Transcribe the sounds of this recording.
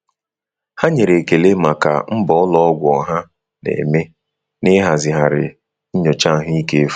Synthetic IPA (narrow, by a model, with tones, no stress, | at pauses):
ha˦ɲe˨ɾe˨ke˨le˦ma˨ka̰˨m̩˦bɔ˨ɔ˦lɔ˦ɔ˦ɡʷʊ˨ɔ˨ɦa˦ | nḛ˨me˦ | nɪ˦ɦa˨zɪ˨ɦa˨ɾɪ̰˨ | ɲ̩˦ɲɔ˨t͡ʃa˦˨ɦi˦ke˦f